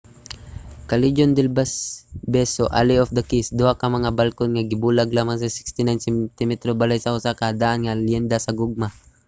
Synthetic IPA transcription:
kalid͡ʒond̪ɛlbasbɛsoʔa̰liofd̪ɐkisd̪uhakamɐŋabalkʊnŋaɡɪbulaɡlamaŋsasɪ̥kst̪ɪnajnsɛt̪imɛt̪ɾobalajsaʔusakaad̪aʔanŋaljɛnd̪asaɡʊɡ̚ma

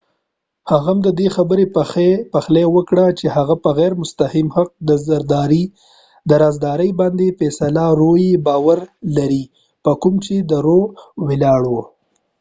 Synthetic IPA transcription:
haɣamd̪əd̪exabəɾepepaxlewəkɽat͡ʃehaɣapəɣɛɾmʊst̪ahimhaq̚d̪əzaɾd̪ɑɾi | d̪əɾazd̪ɑɾəjbɑnd̪efɛsalaɾojebɑwaɾlaɾi | pəkʊmt͡ʃed̪əɾowelɑɽwo

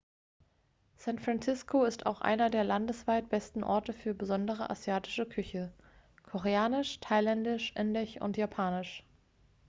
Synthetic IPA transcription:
sɛntfʁansɪskʰoɪstʰa̰ʊxʔa̰ɪnɐdeːɐlandəsv̥aɪt̚b̥ɛstn̩ʔɔ̰ɐtəfyːɐbəzɔndəʁ̞əʔa̰zjaːtɪ̥ʃəkʰʏçə | kʰɔʁeaːnɪʃtʰaɪlɛndɪʃʔɪndɪçʔʊ̰ntjapʰaːnɪʃ

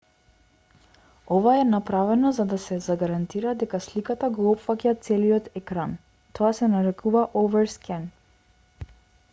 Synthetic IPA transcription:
ɔvaɛnapɾavɛnɔzad̪asɛzaɡaɾant̪iɾad̪ɛkaslikat̪aɡɔɔpfacʲat̪sɛlijɔt̪ɛkɾan | t̪ʰɔasɛnaɾɛkʰuvaʔɔvɛɾskʲɛn

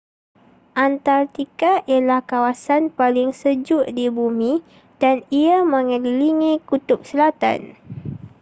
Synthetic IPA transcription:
ʔant̪art̪ikaʔialahkawasanpalɪŋsəd͡ʒʊʔdibumĩ | d̥aniamə̃ŋəliliŋĩkut̪ʊp̚səlat̪a̰n

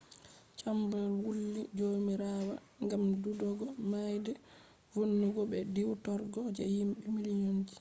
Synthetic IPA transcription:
t͡ʃambɔlwulːid͡ʒomiɾaːwa̰ | ŋɡamdudɔɡɔmajdɛ | vonːuɡɔbɛdiwtɔɾɡɔd͡ʒɛ̰jimɓimiliɲond͡ʒi̥

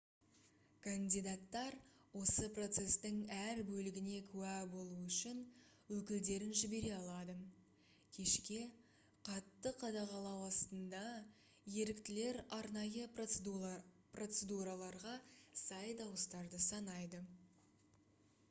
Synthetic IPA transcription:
kʰanʲd̪ijd̪at̪ːɑɾ | wo̞səpro̞t̪se̞st̪ɪŋæɾbɵlɪɡʲɪne̞kʲʰʉæbo̞lˠuʏʃɪn | wɵkʲɪld̪e̞ɾɪnʒɪbe̞ɾe̞ɑlˠɑd̪ə | kʲʰe̞ʃkʲe̞ | qʰɑt̪ːəqʰɑd̪ɑʁɑlˠɑwɑst̪ənd̪ɑ | je̞ɾɪkt̪ɪle̞ɾɑɾnɑjə | pro̞t̪sed̪uɾalˠɑɾʁɑsɑjd̪ɑwəst̪ɑɾd̪əsɑnɑjd̪ə

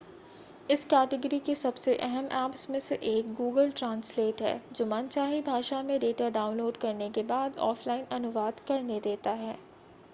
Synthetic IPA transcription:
ɪskɛːʈɪɡɾikesɐbseʔɛɦɛmɛːpsmẽseʔeːk̚ɡuːɡəlʈɾãːnsleːʈɦɛ̰ːd͡ʒoːmant͡ʃaːɦibʱaːʃamẽɖeːʈaɖaːʊ̃nloːɖkɐɾnekebaːd̪ɔ̰ːflaːɪnʔɐnʊʋaːd̪kɐɾned̪eːt̪aɦɛː

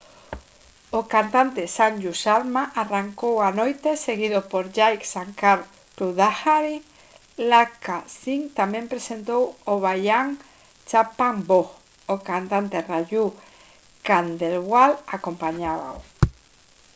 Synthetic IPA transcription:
okant̪ant̪esaɲd͡ʒusaɾmaʔaraŋkowanojt̪eseɣ̞iðopoɾʝajksaŋkaɾ | pɾuðaxaɾi | lakasiŋt̪amempɾesent̪owoβajʎaŋ | t͡ʃapaŋbo | okant̪ant̪eraʝu | kand̪elβwalakompaɲaβa̰w

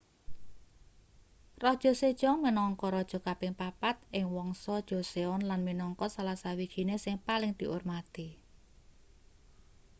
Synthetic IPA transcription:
rɔhd̥ʒ̥ɔ̤sed̥ʒ̥ɔŋminɔŋkɔɾɔd̥ʒ̥ɔ̤kapɪŋpapat̪̚ʔɪŋwɔŋsɔd̥ʒ̥o̤seɔnlanminɔŋkɔsalasawid̥ʒ̥i̤nesɪŋpalɪŋd̪̥i̤ʔormat̪i

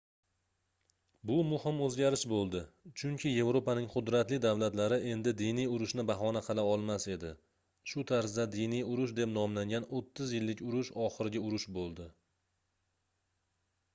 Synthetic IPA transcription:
bʊmʊhɪmɵzɡʲaɾɪʃbolˠd̪ɪt͡ʃʰʊŋkʰʲɪje̞vɾopanɪŋqʰʊd̪ɾat̪lɪd̪avlat̪laɾɪʔe̞nd̪ɪd̪ijnijʊɾʊʃnɪbaɦɒnaqʰɑlˠaɒlˠmase̞d̪ɪ | ʃʊt̪ʰaɾsd̪ad̪inijʊɾʊʃd̪e̞pnɒmlaŋɡʲanot̪ʰːɪzjɪlːɪkʲʊɾʊʃɒχɨɾɪɡʲaʊɾʊʃbolˠd̪ɪ

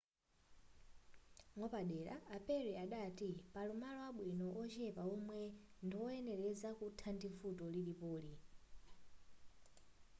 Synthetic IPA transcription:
ŋɔpaɗɛːɾaːpɛɾɛaɗatipalumalɔwaɓwinɔʔɔt͡ʃɛpaɔmwɛndiwɔɛnɛɾɛzakutʰandiɱfutɔliɗipoːli

